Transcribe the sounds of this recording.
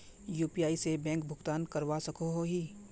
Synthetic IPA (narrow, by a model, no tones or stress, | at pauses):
juːpijaːisebɛ̃ːŋkbʱʊɡt̪aːnkɐɾwasɐkoɦoɦiː